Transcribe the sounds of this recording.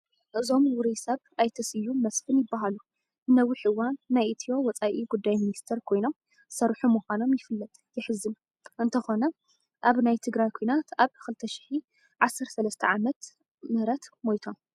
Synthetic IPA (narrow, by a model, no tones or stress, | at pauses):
ʔɨzo̞mwʊɾisɐβʔajt̪ʰɐsɨjːumɐsfɨnjɪbːaɦalu | nɐwːɨħʔɨwanːajit̪ʰio̞wɔt͡sʼaʔiɡud̪ːajminist̪ʰeɾkʰo̞jno̞m | sɐɾħumuxʷano̞mjɪfɨlːɐt̪ʼjɪħɨzɨn | ʔɨnt̪ʰɐxo̞nɐ | ʔaβnajt̪ʰɨɡɾajkʰojnat̪ʰaβxɨlt̪ʰɐʃi̥ħi | ʕasːɐɾt̪sɐlɐst̪ʰɐ̰ʕamɐt̪ | mɨɾɐt̪mojt̪ʰo̞m